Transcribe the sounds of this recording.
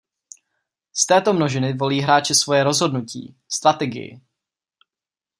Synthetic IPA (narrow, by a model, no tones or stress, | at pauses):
st̪ɛːt̪o̞mno̞ʒɪnɪvo̞liːɦɾaːt͡ʃɪsvo̞jɛɾo̞zɦo̞dnucḭː | st̪ɾat̪ɛɡɪ̰jɪ̰